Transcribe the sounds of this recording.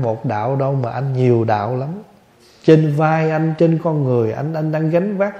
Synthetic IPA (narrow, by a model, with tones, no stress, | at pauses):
mo˨˩t̚ɗa̰ː˧˨wɗə˧wmaː˨˩ʔa˧jŋ̟ɲi˨˩əwɗa̰ː˧˨wla˨˦m | t͡ɕe˧nvaː˧jʔa˧jŋ̟t͡ɕe˧nkɔ˧nŋɨ˨˩əjʔa̰˧jŋ̟ʔa˧jŋ̟ɗaː˧ŋɣa˨˦jŋvaː˦˥k̚